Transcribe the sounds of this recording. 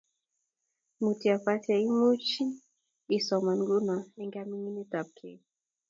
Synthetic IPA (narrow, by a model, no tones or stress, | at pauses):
mutiafatiaimut͡ʃin | isɔmanɡunaɛŋɡamininitap̚kʰɛ